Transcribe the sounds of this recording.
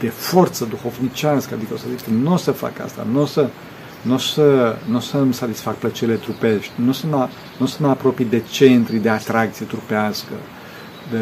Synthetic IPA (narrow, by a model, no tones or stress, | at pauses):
d̪̥e̞fo̞rt̪səd̪uxo̞vnit͡ʃʲaskəad̪ikəosəzikənuosəfa̰ka̰st̪a̰nuosə | nusənusəmsat̪isfakplət͡ʃeɾile̞t̪ɾupe̞ʃt̪ʲnusəma | nuosəmapɾo̞pijd̪e̞t͡ʃe̞nt̪ɾid̪e̞at̪ɾak̚t̪sije̞t̪ɾupeaskə̰ | d̪e